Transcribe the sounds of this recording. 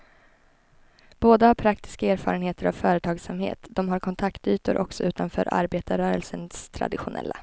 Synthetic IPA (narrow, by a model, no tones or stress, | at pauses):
b̥oːd̪əhaɾpʰɾakt̪ɪ̥skaeːɾfɑ̰ːɾənheːt̪əɾʔa̰vfœːɾət̪ʰɑːɡsamhḛːt̪d̪ɔmɦaɾkʰɔnt̪ʰakt̪yːt̪ʊɾʔɔksɔʉ̟ːt̪anfœ̰ːɾʔa̰ɾbeːt̪aɾœːɾəlsənst̪ʰɾa̰d̪ɪɧʊnʔɛ̰lːa